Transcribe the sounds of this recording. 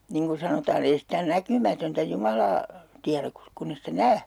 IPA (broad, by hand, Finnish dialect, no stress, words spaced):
niŋ ku sɑnotɑːn ei sitæ nækymætøntæ jumɑlɑː tiæræk kus kunː e sitæ næː